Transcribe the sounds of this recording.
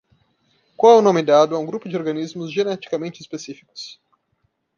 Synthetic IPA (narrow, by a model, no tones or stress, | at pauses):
kawɛwnõmɪd̪ad̪ʊɛũɡɾupʊd͡ʒɪoɾɡɐnizmʊzʒenɛt͡ʃi̥kamẽnt͡ʃɪspesifikʊ̥s